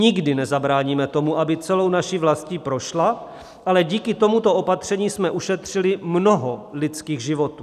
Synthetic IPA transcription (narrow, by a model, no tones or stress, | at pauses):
ɪɡdɪnɛzabɾaːɲiːmɛt̪o̞muʔabɪt͡sɛlo̞wnaʃivlascipɾo̞ʃla | ʔalɛɟiːkɪt̪o̞mut̪o̞ʔo̞pat̪r̝̥ɛɲiːsmɛʔuʃɛt̪r̝̥ɪlɪmno̞ɦolɪt͡skiːɣʒɪvo̞t̪uː